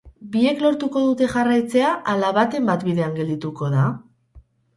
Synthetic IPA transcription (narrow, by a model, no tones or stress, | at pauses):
bie̞klo̞ɾt̪uko̞ðut̪e̞ʝarajt͡se̞aʔalaβat̪e̞mbat̪biðe̞aŋɡe̞ld̪it̪uko̞ð̞a